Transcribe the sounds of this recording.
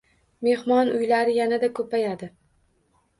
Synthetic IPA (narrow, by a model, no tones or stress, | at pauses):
me̞hmɒnʊjlaɾɪjanad̪akʰɵpajad̪ɪ